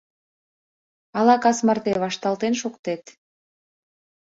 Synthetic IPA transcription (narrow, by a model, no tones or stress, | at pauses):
ɑlɑkɑsmərt̪eβɑʃt̪ɑlt̪enʃukt̪et̪